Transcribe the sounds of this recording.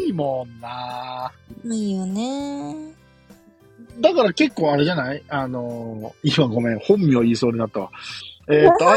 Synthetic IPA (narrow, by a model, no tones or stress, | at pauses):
imõnːa | ijone | d̪akaɾake̞kːo̞ːaɾe̞ʑanaianoiβãŋɡo̞mẽŋhõ̞mːʲioiːso̞ːɲinat̪ːa̰ | eːt̪ːoa